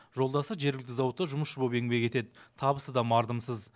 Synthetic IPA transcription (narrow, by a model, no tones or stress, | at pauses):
ʒo̞lˠd̪ɑsəʒe̞ɾɡʲɪlk̚t̪ɪzɑwət̪ːəʒʊməsʃəbobe̞ŋbe̞kʲe̞t̪e̞d̪ɪt̪ʰɑbəsəd̪ɑmɑɾd̪əmsəz